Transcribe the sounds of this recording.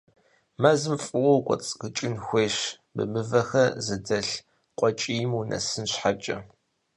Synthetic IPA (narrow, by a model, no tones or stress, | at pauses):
mɐzɨmfʼɨwɐwkʷʼɔ̰t͡sʼkɨt͡ʃʼɪnxʷeːɕ | bɨ̰mɨvɐxɐzɨdɐɬ | qʷʼɔt͡ʃʼiːjmunʔɐ̰sɨnɕħat͡ʃʼɐ